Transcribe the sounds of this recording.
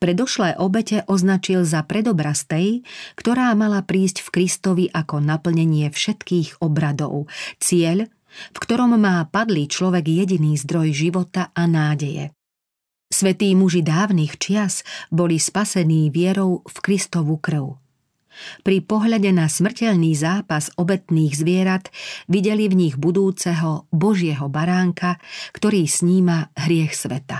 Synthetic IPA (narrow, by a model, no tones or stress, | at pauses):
pɾɛd̪ɔʃlɛjʔɔbɛcɛʔɔznat͡ʃilzapɾɛd̪ɔbɾast̪ɛjkt̪ɔɾaːmalapɾiːscfkɾist̪ɔʋiʔakɔnapl̩ɲɛɲɪɛfʃɛt̪kiːɣɔbɾad̪ɔ̰ʊt͡sɪɛʎ | fkt̪ɔɾɔmːaːpad̪lit͡ʃlɔʋɛɡjɛɟiniːzd̪ɾɔjʒiʋɔt̪aanaːɟɛjɛ̰ | sʋɛt̪iːmuʒid̪aːʊnixt͡ʃɪasbɔlispasɛniːʋɪɛɾɔʊfkɾist̪ɔʋukr̩ʊ | pɾipɔɦʎaɟɛnasmr̩cɛʎniːzaːpazɔbɛt̪niːɣzʋɪɛɾat̪ʋiɟɛlivɲiɣbud̪uːt͡sɛɦɔbɔʒɪɛɦɔbaɾaːŋkakt̪ɔɾiːsɲiːmaɦɾɪɛxsʋɛt̪a